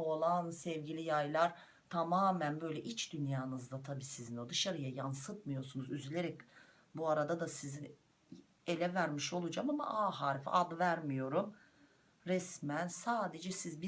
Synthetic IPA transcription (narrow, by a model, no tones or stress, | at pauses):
o̞lˠansɛvɟilʲijajlˠaɾ̥ | t̪ʰamaːmænbø̞jlʲɛʔit͡ʃd̪ynjaːnɯzd̪at̪ʰabiːsizinod̪ɯʃaɾɯjajansɯt̪mɯjo̞ɾsunuzyzylʲeɾɛc̚ | buaɾad̪ad̪asizin | e̞lʲɛvæɾmiʃo̞lˠud͡ʒamama̰ʔaːɦaːɾifʔad̪væɾmijo̞ɾum | ɾɛsmænsaːd̪e̞d͡ʒɛsizbi